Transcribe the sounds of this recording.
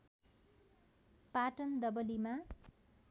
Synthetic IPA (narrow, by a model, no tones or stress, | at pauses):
paʈʌnd̪ʌbʌlima